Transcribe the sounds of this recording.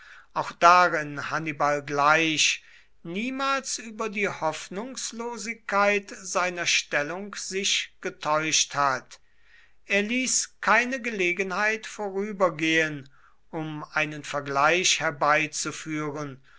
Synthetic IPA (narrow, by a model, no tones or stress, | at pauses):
ʔaʊxd̥aʁɪnhanibalɡlaɪʃ | niːmaːlsʔyːbɐdiːhɔfnʊŋsloːzɪkːaɪtz̥aɪnɐʃtɛlʊŋkz̥ɪʃɡ̥ətʰɔʏʃthat | ʔeːɐliːskʰaɪnəɡəleːɡənhaɪtfoːʁyːbɐɡeːən | ʔʊmʔaɪnənfɛɐɡlaɪʃhɛɐbaɪt͡sufyːʁən